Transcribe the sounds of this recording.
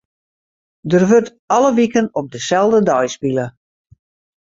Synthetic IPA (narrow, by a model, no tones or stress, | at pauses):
dərʋørt | ɑləʋikənɔp̚dəsɛlˠdədɔjspilə